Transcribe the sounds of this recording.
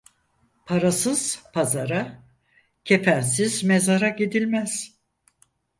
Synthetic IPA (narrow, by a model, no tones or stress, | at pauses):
pʰaɾasɯz̥pʰazaɾa | cʰe̞fæns̬izme̞zaɾaɟid̪ilʲmæz̥